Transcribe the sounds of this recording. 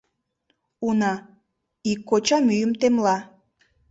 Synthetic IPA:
unɑ | ikːot͡ɕɑmyjəmt̪emlɑ

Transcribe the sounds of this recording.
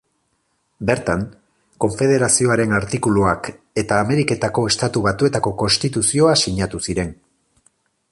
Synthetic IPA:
be̞ɾt̪aŋ | ko̞ɱfe̞ð̞e̞ɾasio̞aɾe̞naɾt̪ikuluak | e̞t̪aːme̞ɾike̞t̪ako̞e̞st̪at̪uβat̪ue̞t̪ako̞ko̞nst̪it̪usio̞asiɲat̪usiɾe̞ŋ

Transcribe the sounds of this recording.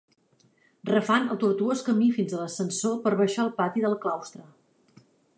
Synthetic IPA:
rəfanəlˠt̪uɾt̪uoskəmifinzələsənsopəɾβəʃaəlˠpat̪iðəlˠklawst̪ɾə

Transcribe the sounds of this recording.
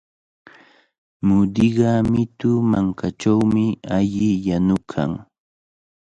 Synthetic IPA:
mʊd̪ɪɢɑmɪt̪ʊmaŋkat͡ʃawmɪaʎɪjanʊkʰa̰ŋ

